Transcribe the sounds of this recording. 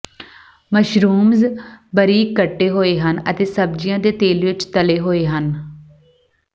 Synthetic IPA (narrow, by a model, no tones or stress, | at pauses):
məʃɾuːmzbəɾiːkːəʈːeːɦoːeːɦənə̰t̪eːsəb̚d͡ʒijãːd̪eːt̪eːlʋɪt͡ʃt̪əleːɦoːeːɦən